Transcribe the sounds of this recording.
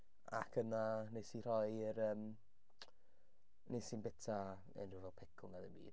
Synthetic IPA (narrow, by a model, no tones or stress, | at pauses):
a̰kʰənanesir̥ɔjɾəːm | nesiːnbɛtʰa | ḛnruvɛlˠpʰɪkʰʊŋadəbḭːd̥